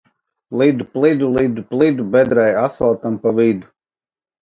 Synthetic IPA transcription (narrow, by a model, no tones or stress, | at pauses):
lˠid̪uplˠid̪ulˠid̪uplˠid̪ubɛd̪ɾɛjasalˠt̪ampavid̪u̥